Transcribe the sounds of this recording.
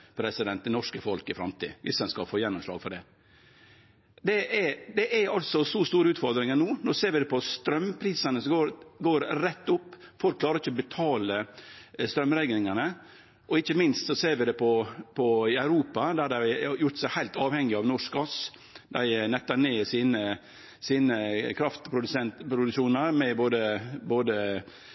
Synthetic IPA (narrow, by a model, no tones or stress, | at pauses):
pʰɾɛsɪd̪ɛnt̪̚ɛnɔʂkəfɔlkɪfɾɑ̰mt̪ʰḭːʋʔɪ̰sɛnskɑfoːjɛnːɔmʂlɑ̰ːɡfɔɖɛ | d̪ɛʔɛd̪ɛʔæɑlt̪sɔsɔst̪uːɾəʉːt̪fɔɾd̪ɾɪŋənuːnɔseːɾʋɪd̪ɛpʰɔst̪ɾœmpʰɾiːsənəsɔɡoːɾɡoːɾɾɛt̪ːʊpːfɔlkʰːlɑːɾɪçːəɔbɛt̪ʰɑːləst̪ɾœmɾæɡlɪŋənə | ʔɔɪçːəmɪnst̪sɔseːɾʋɪd̪ɛpʰɔpʰɔɪæʉɾuːpɑd̪æd̪ɛjʊʈ̪sæɪhæɪlt̪ɑːʋhɛŋːɪɑʋnɔʂkɔs | d̪æɪnɛt̪ːəɳeːsiːnə | siːnəkʰɾɑft̪pʰɾʊd̪ʉsɛnt̪pɾʊd̪ʉkʃuːnɑɾmɛboːd̪əboːd̪ə